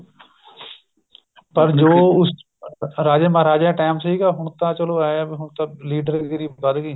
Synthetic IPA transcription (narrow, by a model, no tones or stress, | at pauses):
pəɾd͡ʒoːʊs | ɾaːd͡ʒẽːmaɾaːd͡ʒẽːʈaːmsiːɡaːɦʊɳt̪ãːt͡ʃəloːaːbiɦʊɳt̪ãːliːɖəɾkeɾiːkad̪ɡiː